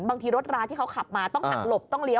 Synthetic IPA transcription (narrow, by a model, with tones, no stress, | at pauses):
nbaː˧ŋt̪ʰiː˧ɾo˦˥t̪̚ɾaː˧nt̪ʰiː˥˩kʰa˦˥wkʰa˨˩p̚maː˧t̪ɔ˥˩ŋkʰa˨˩t̪̚lo˨˩p̚t̪ɔ˥˩ŋɾi˦˥